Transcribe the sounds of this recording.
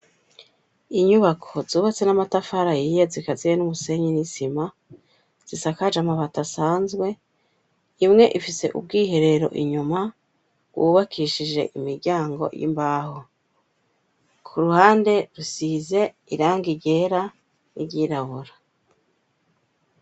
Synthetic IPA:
iɲuβakʰo̞zuːβat͡se̞namatafaɾajijezikazijenumuse̞ɲinisima | z̥isakad͡ʒamaβatasaːnzɡwe̞ | imŋe̞ʔifise̞̰ʔṵb̚ɡiːɦe̞ɾe̞ɾo̞̰ʔiɲuma | ɡwuβakʰiʃid͡ʒe̞̰ʔimiɾɟaːŋɡo̞̰jḭmbaːho | kʰuɾuhaːnde̞ɾusize̞ | iɾaːŋɡiɟe̞ɾa | nḭɟiːɾaβuɾa

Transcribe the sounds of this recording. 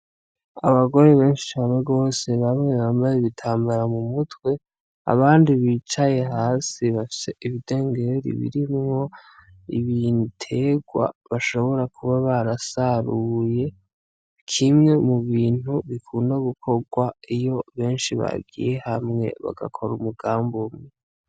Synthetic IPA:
aβaɡo̞ɾe̞βe̞ːnʃi̥t͡ʃaːmeɡo̞ːse̞βamŋe̞βaːmbajeβitʰaːmbaɾamumutwe̞ | a̰βaːndiβiːt͡ʃaje̞ɦaːsiβafi̥se̞ʔiβide̞ːŋɡe̞ɾḭβḭɾimŋo̞ | iβintʰe̞ɡwa̰βaʃo̞βo̞ɾakʰuβaβaɾasaɾuje̞ | kʰimŋe̞muβiːn̥huβikʰuːndaɡukʰo̞ɡwaijo̞βe̞ːnʃiβa̰ɡḭje̞hamŋe̞̰βa̰ɡa̰kʰo̞ɾumuɡaːmbomŋe

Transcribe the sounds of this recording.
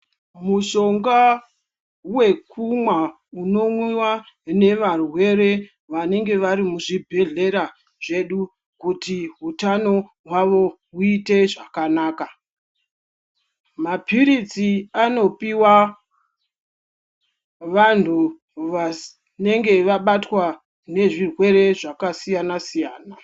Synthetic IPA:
muʃo̞ŋɡa | we̞kʰumwa | uno̞mwiwa | ne̞ʋarwe̞ɾe̞ | ʋane̞ŋɡe̞ʋaɾimuʐibʱe̞ɮe̞ɾa | ʐe̞ɗu | kutiɦutano̞ | ɦwaʋo̞ɦuite̞ʐakanaːka | mapiɾit͡siano̞piwa | ʋantʰu | ʋa | ne̞ŋɡe̞ʋaɓatwa | ne̞ʐirwe̞re̞ʐakasijanasijaːna

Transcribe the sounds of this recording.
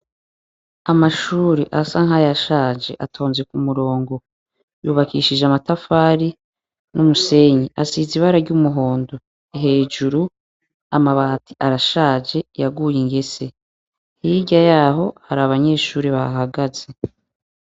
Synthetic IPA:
amaʃuːɾiʔasaŋɦajaʃaːd͡ʒe̞ʔatʰo̞ːnzekumuɾo̞ːŋɡo̞ | juːβakiːʃid͡ʒeamatafaːɾi | numuse̞ɲiʔasiziβaɾaɾɟumuɦo̞ːndo | iɦe̞ːd͡ʒuɾu | amaβaːtʰiʔaɾaʃaːd͡ʒe̞jaɡujiŋɡe̞se̞ | hiɟajaːɦo̞haɾaβaɲe̞ːʃuːɾiβaɦaɡaze̞

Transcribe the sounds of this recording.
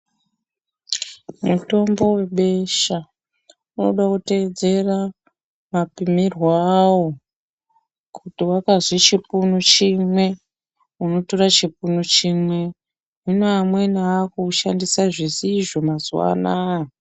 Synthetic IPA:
muto̞mbo̞we̞ɓe̞ʃa | no̰ɗakute̞ːd͡ze̞ra | mapimirwaːwo | kʰutiwakazit͡ʃipunut͡ʃimwe̞ | uno̞to̞rat͡ʃipunut͡ʃimwe̞ | unoamwe̞naːkuːʃandisaʐisiʐo̞mazṵwa̰na

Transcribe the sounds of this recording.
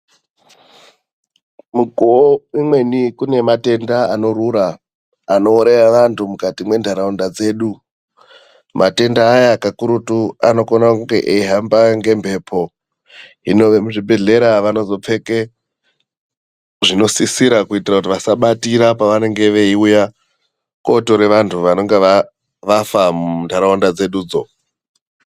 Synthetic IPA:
muɡʱoimwe̞nikune̞mate̞ndaano̞ɾuɾaː | no̞ːɾeraʋantʰumukatimwe̞ndʱaɾaundad͡ze̞ːɗu | mʔate̞ndaːjaːkakuɾutuano̞konakuŋɡe̞ʔeiɦambaŋɡe̞mbʱe̞ːpʰo̞ | ɦino̞ʋemuʐibʱe̞ɮe̞ɾaʋano̞zo̞p͡fe̞ke | ʐino̞sisiɾakuitirakut̬iʋasaɓatiɾapaʋane̞ŋɡe̞ʋe̞iuja | ko̞to̞ɾe̞ʋantʰuʋano̞ŋɡe̞ʋa | ʋafamundʱaɾaondad͡ze̞ɗuːd͡zo̞̰

